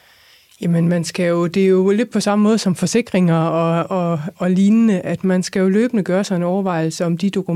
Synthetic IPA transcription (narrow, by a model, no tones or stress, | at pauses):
jæmənmænsɡ̥æjo̝d̥e̝æjo̝le̝d̥̚pʰɒ̽sɑ̈məmɔ̽ːð̞ˠsɒ̽mfɒ̽se̝ɡ̥ʁeŋɐɒ̽ɒ̽ɒliːnnəʔæd̥mænsɡ̥æjo̝lø̰ːb̥ənəɡ̥ɶːɐsɑ̈ɪe̝nɒʊɐʋɑ̈ɪ̰l̩səɒ̽md̥id̥o̝kʰu